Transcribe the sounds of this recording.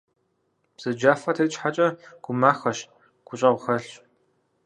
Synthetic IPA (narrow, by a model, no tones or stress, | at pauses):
b̥z̥ɨd͡ʒaːfɐtʰɐːt͡ʃʼħat͡ʃʼɐɡ̥ʷʊmaːxɐʃ | ɡ̥ʷʊɕʼɐʁʷʊxɐɬ